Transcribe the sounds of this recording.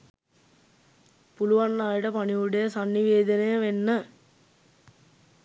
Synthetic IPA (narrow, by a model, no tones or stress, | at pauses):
puluʋanːaːjəʈəpaniuɖejəsanːiʋeːd̪ənejəʋenːə